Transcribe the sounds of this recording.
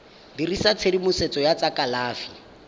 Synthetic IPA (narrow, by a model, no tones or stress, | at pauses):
dirisat͡sʰedimʊset͡sɔjat͡sakʼalaːfi̥